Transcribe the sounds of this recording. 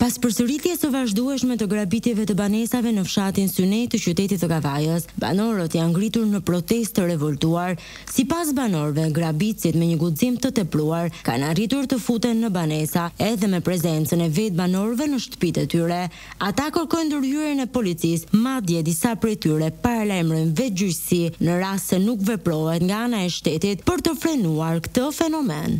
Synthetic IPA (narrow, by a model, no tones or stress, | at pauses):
paspəɾsəɾiθjɛsəvaʒd̪uɛʃmɛt̪əɡɾabit̪jɛvɛt̪əbanɛsavɛnəfʃat̪insynɛjt̪ət͡ɕyt̪ɛt̪it̪əɡavajəsba̰nɔɾət̪janɡɾit̪uɾnəpɾɔt̪ɛst̪əɾɛvɔlt̪uaɾ | sipas̬banɔɾvɛɡɾabit͡sit̪mɛɲəɡuzimt̪ət̪ɛpɾuaɾka̰narit̪uɾt̪əfut̪ɛnːəbanɛsaɛðɛmɛpɾɛzɛnt͡sənɛvɛt̪̚banɔɾvɛnəʃt̪ə̥pit̪ɛt̪yɾɛ | at̪akəɾkɔjnd̪əɾhyɾənɛpɔlit͡sismad̪jɛd̪isapɾɛt̪yɾɛpaɾalajmɾɔnvɛd͡ʑyjsinəɾast̪sɛnukvɛpɾɔɦɛt̪ŋɡaanaɛʃt̪ɛt̪it̪̚pəɾt̪əfɾɛnuaɾkt̪əfɛnɔmɛ̰n